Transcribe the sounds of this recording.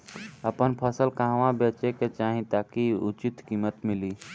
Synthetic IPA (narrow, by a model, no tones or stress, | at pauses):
əpənpʰəsəlkãɦʋãbet͡ʃeket͡ʃaɦĩt̪akiʊt͡ʃit̪kiːmət̪mili